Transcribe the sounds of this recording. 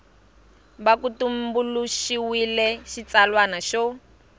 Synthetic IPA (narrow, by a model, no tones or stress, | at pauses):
βakutumbuluʃiwilɛʃit͡salwanaʃɔ